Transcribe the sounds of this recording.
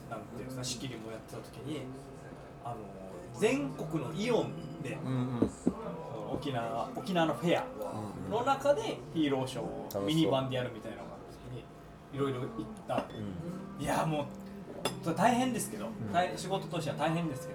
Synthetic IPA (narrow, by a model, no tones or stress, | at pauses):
nãnt̪ejnaɕi̥kʲiɾʲimo̞jat̪ːe̞̥t̪at̪o̞̥kʲiɲ̟i | ano̞ | d͡zẽ̞ŋko̞kɯ̟no̞ʔiõ̞nd̪e̞ | sono̰ːkʲinaːokʲinaːno̞ɸe̞ja̰no̞nakad̪e̞çiːɾo̞ːɕo̞̰ːmʲiɲ̟ibãnd̪e̞jaɾɯ̟mʲit̪aina̰a̰nt̪okʲiɲ̟i | iɾo̞iɾo̞it̪ːa | ijamoː | soet̪aiɦẽ̞nd̪e̞sɨ̥ke̞d̪o̞t̪aiɕiɡo̞t̪o̞t̪oɕ̬ʲt̪e̞at̪aiɦẽnd̪e̞sɨ̥ke̞d̪o